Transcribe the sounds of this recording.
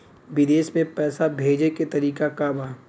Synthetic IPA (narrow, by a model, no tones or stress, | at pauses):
ʋɪd̪eːʃmẽpɛːsabʱeːd͡ʒeket̪ɐɾiːkakabaː